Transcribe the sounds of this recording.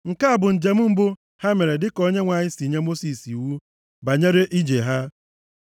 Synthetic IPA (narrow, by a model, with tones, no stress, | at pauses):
ŋ̩˨ka˦a˨bʊ˨n̩˨d͡ʒe˨m̩˦m̩˦bʊ˦ | ha˦me˨ɾe˨dɪ˦ko˦ɲe˦ŋʷa˨ɲɪ˦si˨ɲe˦mo˦si˨si˨wu˦ | ba˨ɲe˦ɾe˦ʔi˦d͡ʒe˨ɦa˦